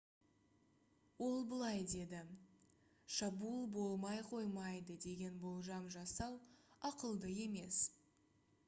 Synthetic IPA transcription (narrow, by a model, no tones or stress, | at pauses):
wo̞lˠbəlˠɑjd̪e̞d̪ɪ | ʃɑbulˠbo̞lˠmɑjqʰo̞jmɑjd̪əd̪e̞ɡʲe̞nbo̞lˠʒɑmʒɑsɑwˠɑqəlˠd̪əe̞me̞s